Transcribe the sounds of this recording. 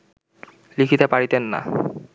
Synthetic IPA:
likʰit̪epaɾit̪enːa̰

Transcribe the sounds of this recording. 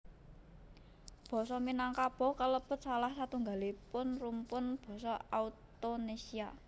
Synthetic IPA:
b̥ɔ̤sɔminaŋkab̥ɔ̤kələb̥ə̤t̪̚salahsat̪uŋɡa̤lipʊnrumpʊnb̥ɔ̤sɔaut̪onesia

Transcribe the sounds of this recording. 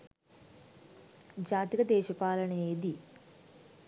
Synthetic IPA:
d͡ʒaːt̪ikɐd̪ɛːʃɐpaːlɐɳɐeːd̪i

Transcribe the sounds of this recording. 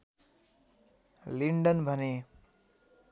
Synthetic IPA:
liɳɖʌnbʱʌne

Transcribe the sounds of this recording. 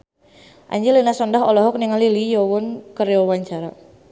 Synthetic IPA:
ʔa̰ɲd͡ʒəlinasɔndaɦɔlɔɦɔk̚niŋalilijɔwɔnkəɾeɔwaɲt͡ʃaɾa

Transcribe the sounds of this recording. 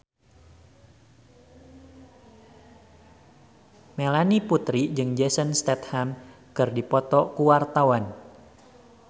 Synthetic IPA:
melaniput̪ɾid͡ʒɨŋd͡ʒɛsənst̪ɛt̪̚ham | kɨrdipɔt̪ɔkuwart̪awan

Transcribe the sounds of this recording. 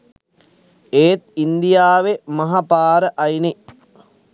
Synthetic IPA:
eːt̪̚ind̪ijaːʋemɐɦapaːɾəʔɐjni

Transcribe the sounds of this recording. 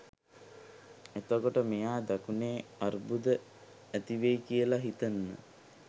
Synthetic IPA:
et̪okoʈəmejaːd̪akuneːarbud̪ə | æt̪iʋejkijəlaɦit̪ənːə̰

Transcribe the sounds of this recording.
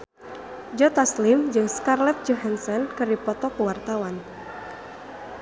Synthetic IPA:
d͡ʒɔt̪aslimd͡ʒɨŋskarlɛt̪̚d͡ʒɔɦansɔnkɨrdipɔt̪ɔkəwart̪awan

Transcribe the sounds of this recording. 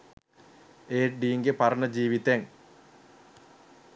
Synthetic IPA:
eːʈɖiiŋɡepɐrɐnɐd͡ʑiːʋit̪eŋ

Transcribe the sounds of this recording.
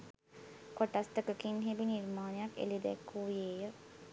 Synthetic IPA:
koʈɐst̪əkəkinɦebiniɾmaːnjɐkḛlid̪ɛ̰kːuːjeːjə

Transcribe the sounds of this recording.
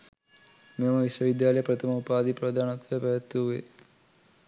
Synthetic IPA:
mɐmɐʋisʋɐʋid̪jaːlɐjɐpɾɐt̪ʰɐmɐupaːd̪ʱipɾɐd̪ʱaːnɐt̪ʋɐepɐjɐt̪ːuʋḛ

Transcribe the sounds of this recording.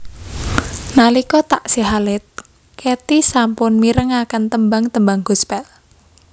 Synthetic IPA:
nalikɔt̪aʔsiɦalɪt̪̚ | ket̪isampʊnmiɾəŋakənt̪əmbaŋt̪əmbaŋɡuspɛl

